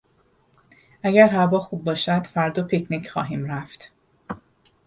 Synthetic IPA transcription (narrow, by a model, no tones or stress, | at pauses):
ʔæɟæɾhævɒːxuːb̚ːɒːʃæd̪̥fæɾd̪oːpʰecʰnicʰχɒ̰ːɦiːmɾæft̪